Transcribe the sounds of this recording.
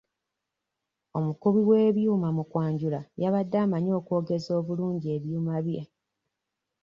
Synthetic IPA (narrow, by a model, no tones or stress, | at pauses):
o̞mukuβiwe̞ːβjuːmamukwaːɲɟulajaβadːaːmaɲo̞ːkwo̞ːɡe̞zo̞ːβuluːɲɟie̞βjuːmaβje